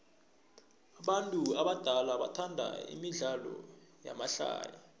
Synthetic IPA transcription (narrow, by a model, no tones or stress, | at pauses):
aɓantʼuaɓad̥ʱalaɓa̰tʰandʱa̰ḭmiɮalɔ̰ja̰maɬa̰ːja